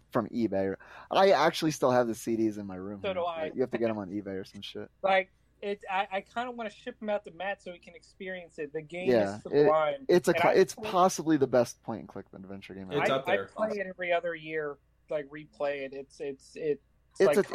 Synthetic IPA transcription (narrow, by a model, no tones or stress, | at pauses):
fɹʌ̃mʔibeɪə˞ʔaɪæk̚t͡ʃʉl̩ˠistɪlˠəvðɨsiɾizɨ̃nmaɪɹʉ̃monojɨhæftɨɡɛɾə̃mə̃nibeɪə˞sʌ̃mʃɪ̰t̚laɪk̚ | ɪtaɪʔaɪkʰãɪ̃ndəwɑ̃nɨʃɪp̚ə̃maʊt̪̚ðɨmætsoʊwikʰɨ̃nɨkspɪɹiɨ̃nsɨt̪̚ðɨɡẽɪj̃æəɪãɪ̃mɪtsɨ̃ʔɪtspʰɑsəbliðəbɛspʰɔ̃ɪ̃ntn̩kʰl̥ɪk̚dvɛ̃nt͡ʃə˞ɡẽɪ̃mɪɪʌðaɪpʰll̥eɪɨɾɛvɹiʌðə˞jɪɹ | laɪkɹipʰl̥eɪɪɾɪtsɪtsɪt̚ | ɨaɪsɨ